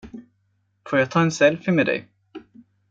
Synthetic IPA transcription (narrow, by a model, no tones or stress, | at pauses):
foːɾjɑːɡ̚t̪ʰɑːɛnsɛlfɪmeɛd̪ɛ̰j